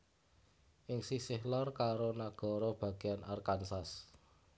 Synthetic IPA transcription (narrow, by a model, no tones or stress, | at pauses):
ʔɪŋsisɪhlɔrkaɾonaɡ̥ɔ̤ɾɔb̥a̤ɡ̥iana̰rkansas